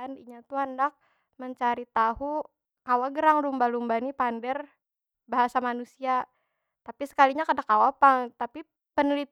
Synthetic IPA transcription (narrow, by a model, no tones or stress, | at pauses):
aniɲat̪uandak̚ | məɲt͡ʃaɾit̪aɦu | kawaɡəɾaŋlumbalumbanipandɛr | baɦasamanusia | t̪apisə̥kaliɲakadakːawapaŋt̪api | pənəlit̪